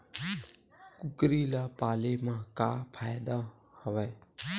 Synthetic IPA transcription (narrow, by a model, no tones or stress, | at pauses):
kʊkɾiːlaːpaːleːmãːkaːpʰaːjd̪aː | həʋɛː